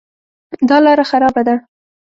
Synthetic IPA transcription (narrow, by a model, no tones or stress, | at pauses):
d̪ɑlɑɾaxaɾɑbad̪a